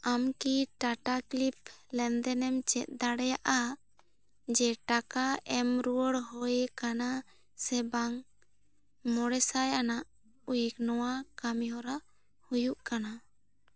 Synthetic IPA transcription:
amkiʈaʈaklip̚lɛnd̪ɛnɛmt͡ʃɛt̪̚ˀd̪aɽɛjaʔa | d͡ʒɛʈakaɛmɾuəɽɦɔjkana | sɛbaŋ | mɔɽɛsajanaʔ | ujəknɔwakamjɔɾa | hujuʔkana

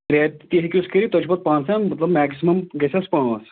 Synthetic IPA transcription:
ɾeːt̪t̪iɦikʲjuskiɾit̪ot͡ʃʰbɐt̪̚pãːnsãmɐt̪lɐbmɛːksimɐmɡɐsʲɐspãːs

